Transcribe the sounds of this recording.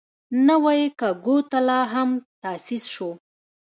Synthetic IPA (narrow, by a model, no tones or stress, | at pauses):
nawajekaɡot̪alɑɦamt̪ɑsisʃo